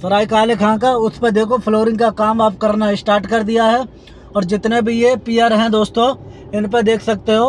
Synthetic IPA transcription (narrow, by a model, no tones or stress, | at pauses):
sɐɾaːikaːlekʰãkaʊsʰped̪eːkʰopʰloːɾɪ̃ŋɡkakaːmaːpkɐɾnaɪsʈaːɾʈkɐɾd̪ijaɦɛ | ɔːɾd͡ʒɪt̪nebʱijepiːaːɾɦɛ̃d̪oːst̪õ | ɪnp̬ed̪eːkʰsɐk̚t̪eɦoː